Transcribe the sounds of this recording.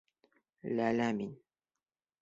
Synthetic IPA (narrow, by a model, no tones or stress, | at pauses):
lalaːmɪn